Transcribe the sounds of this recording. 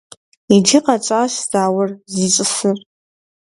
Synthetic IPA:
id͡ʒiqat͡ʃʷʼaʃz̥aːwərzit͡ʃʷʼɨsɨr

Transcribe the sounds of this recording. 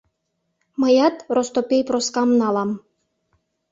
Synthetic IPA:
məjɑt̪rost̪opʲejproskɑmnɑlɑm

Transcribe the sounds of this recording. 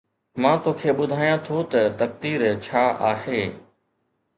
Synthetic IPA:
mãːt̪oːkʰeːɓʊd̪ʱaːjãt̪ʰot̪ɐt̪ɐk̚t̪iːɾt͡ɕʰaːaːheː

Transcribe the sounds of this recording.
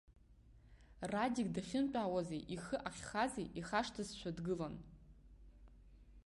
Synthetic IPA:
radʲiɡ̚daχʲɪmt͡pʼaːwazejʔiχɨʔaχʲχazejʔiχaʂtʰazʃʷʰadɡɨlan

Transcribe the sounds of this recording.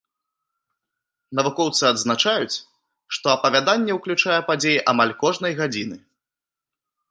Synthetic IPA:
nɐvukɔwt̪sɨɐd̪znat͡ʂajut͡sʲ | ʂt̪ɔɐpɐvʲad̪anʲːɛwklʲut͡ʂajɛpad͡zʲejiʔamalʲkɔʐnɐjɣad͡zʲinɨ

